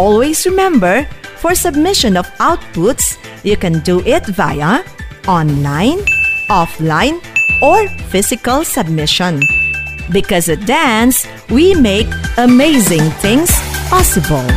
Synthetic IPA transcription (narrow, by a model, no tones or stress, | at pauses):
ɔlwezɹɪmɛ̃mbə˞fɔɹsəb̚mɪʃə̃nɔfaʊt̚pʊts | jukɛ̃nduʔɪtva̰ɪəɔ̃nlãɪ̃nɔflãɪ̃nɔɹfɪzɪkəlˠsəb̚mɪʃə̃n | bɪkʌzɨdæns | wimeɪkəmeɪzɪ̃ŋt̪ʰɪ̃ŋz̥pɑsɨbəlˠ